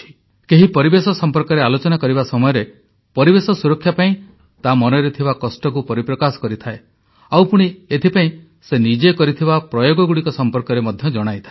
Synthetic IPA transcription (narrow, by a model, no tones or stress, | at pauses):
i̥ | keɦipɔɾibesɔsɔmpɔɾkɔɾealot͡ʃɔnakɔɾiβasɔmɔjɔɾe | pɔɾibesɔsuɾɔkʰːjapaĩ | t̪amɔnɔɾet̪ʰibakɔsʈɔk̬upɔɾipɾɔkasɔ̥kɔɾit̪ʰae | awpuɽ̃iet̪ʰipaĩ | senid͡ʒekɔɾit̪ʰibapɾɔjoɡɔɡuɽikɔsɔmpɔɾkɔɾemɔd̪ʱjɔd͡ʒɔɽ̃ajt̪ʰae